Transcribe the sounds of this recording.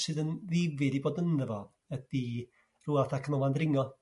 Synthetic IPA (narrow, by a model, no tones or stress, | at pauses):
sɨːðənðɪvɪdiboːdənðəvɔð | əd̥i | ruːaθakʰənɔvandrɪŋɔ